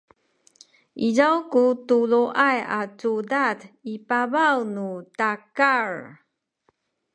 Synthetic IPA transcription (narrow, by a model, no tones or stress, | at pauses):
ʔizawkutuluʔajatudatipavawnutakaɹ